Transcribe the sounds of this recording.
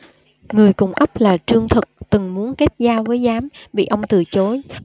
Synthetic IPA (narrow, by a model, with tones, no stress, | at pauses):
ŋɨ˨˩əjkʊ̰˨˧˩ŋ͡mʔə˦˥p̚laː˨˩t͡ɕɨ˧əŋt̪ʰɨ˨˩k̚t̪ɨ˨˩ŋmu˨˦ənke˦˥t̚zaː˧wvəː˨˦jzaː˨˦mɓḭ˧˨ʔə˧wŋ͡mt̪ɨ˨˧˩t͡ɕo˨˦j